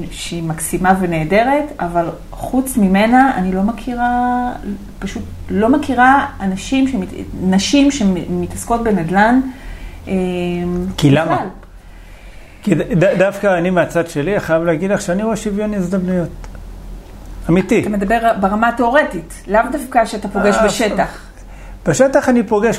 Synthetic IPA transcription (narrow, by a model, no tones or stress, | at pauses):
ʃeimaksimave̞neːde̞ʁe̞taval | χut͡smime̞naanilo̞makʰiʁa | paʃutlo̞makiʁaːnaʃimʃeminaʃimʃe̞mitasko̞t̚be̞nedlan | emkilamaal | kidadafkaːnimeat͡sadʃe̞liaχajavleːɡidlaχʃeaniʁoeʃivjonizd̪amnujo̞t̪ | amitit̪amed̪abe̞ʁbaʁamate̞oʁe̞tit | lavdafkaʃeatapo̞ɡeʃbeʃetaχ | b̥eʃetaχanipo̞ɡe̞ʃ